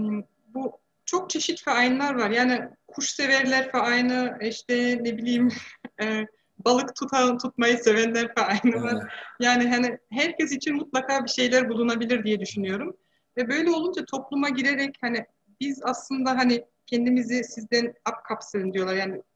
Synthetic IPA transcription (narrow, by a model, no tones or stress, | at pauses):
m | bu | t͡ʃʰo̞k̚t͡ʃʰe̞ʃit̪fɛajnlˠaɾvaɾjaːnikʰuʃse̞vɛɾlʲæɾfɛajnɯiʃt̪ɛnebilʲijimɛː | balˠɯkt̪ʰut̪ʰant̪ʰut̪̚majɯse̞vænlʲæɾfɛajnɯvaɾ̥jaːniɦanɪɦæɾcʰɛs̬it͡ʃʰinmut̪lˠakʰaːbiʃe̞jlʲæɾbulˠunabilʲiɾd̪ijɛd̪yʃynyjo̞ɾum | vɛbø̞jlʲɛo̞lˠund͡ʒat̪ʰo̞plˠumaɟiɾeɾɛchanɪ | bizaslˠɯnd̪aɦanɪ | cʰɛnd̪imizisizd̪ænap̚kʰapsɯɯnd̪ijo̞lˠaɾjaːnɪ